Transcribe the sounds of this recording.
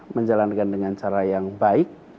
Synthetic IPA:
məɲd͡ʒalankandəŋant͡ʃaɾajaŋbaɪk̚

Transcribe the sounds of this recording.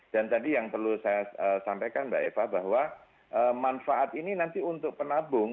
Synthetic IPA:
d̥ant̪adijaŋpərlusajaəsampejkanbaʔḛfahbaɦwa | ʔəmanfaʔat̪ininant̪iunt̪ʊk̚pənabʊŋ

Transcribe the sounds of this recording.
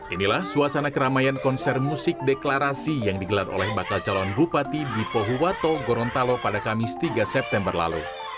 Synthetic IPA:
ʔinilahsuasanakəɾamajankɔnsɛrmusɪk̚dɛklaɾasijaŋdiɡəlaro̰lɛhbakalt͡ʃalɔnbupat̪ibipoɦuwat̪oɡɔɾɔnt̪alopadakamɪst̪iɡasɛp̚t̪ɛmbərla̰lṵ

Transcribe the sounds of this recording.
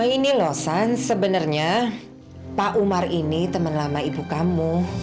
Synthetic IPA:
inilɔsansəbənərɲa | paʔumarinit̪əmənlamaibukamu

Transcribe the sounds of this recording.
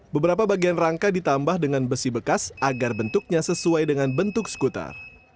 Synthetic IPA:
bəbəɾap̬abaɡianraŋkadit̪ambahdəŋanbəsibəkasaɡarbənt̪ʊk̚ɲasəsuajdəŋanbənt̪ʊksə̥kut̪a̰r

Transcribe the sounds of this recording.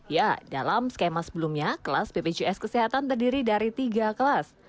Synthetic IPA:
jadalamskemasəbəlumɲakəlasbeped͡ʒuɛskəseɦat̪ant̪ərdiɾidaɾit̪iɡakəlas

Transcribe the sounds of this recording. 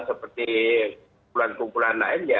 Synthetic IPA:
səpərt̪ikumpulankumpulanla̰ɪnja

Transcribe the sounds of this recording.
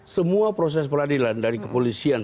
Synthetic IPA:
səmuapɾos̬ɛspəɾadilandaɾikəpolisian

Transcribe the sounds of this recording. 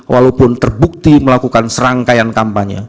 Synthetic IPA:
walapʊnt̪ərbuk̚t̪iməlakukansəɾaŋkajankampaɲa̰

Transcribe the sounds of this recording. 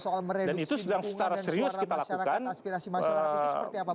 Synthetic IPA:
slməedanit̪usədaŋsə̥t͡ʃaɾaseɾiʊskit̪alakukaniəi

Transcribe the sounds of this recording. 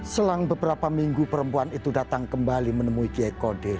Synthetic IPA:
səlaŋbəbəɾapamiŋɡupəɾəmpuanit̪udat̪aŋkəmbalimənəmuikiakodɪr

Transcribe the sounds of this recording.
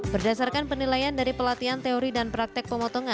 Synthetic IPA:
b̥ərdasarkanpənilajandaɾipəlat̪iant̪eɔɾidanpɾak̚t̪ɪk̚pəmɔt̪ɔŋa

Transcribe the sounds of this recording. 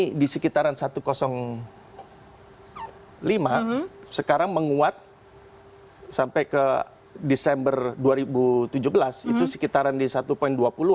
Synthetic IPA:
disəkit̪aɾansat̪ukosɔŋ | limasəkaɾaŋməŋuat̪̚ | sampajkə | disɛmbərduaɾibut̪ud͡ʒubəlasit̪usə̥kit̪aɾandisat̪upoinduapulu

